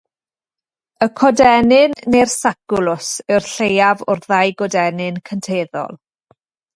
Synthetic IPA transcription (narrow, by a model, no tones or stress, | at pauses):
əkʰɔdɛnɪnːersakʊlˠʊsɨwrɬejavʊrðajɡɔdɛnɨnkʰəntʰeːðɔ̰lˠ